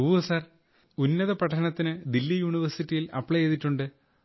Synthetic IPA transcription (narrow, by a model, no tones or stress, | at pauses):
uːɐsɐr | unːɐðɐpɐʈʰːɐɳɐt̪ːinɨd̪ilːijuɳiʋɐrsitːijilɐ̰pːɭɐjeðiʈːuɳɖɨ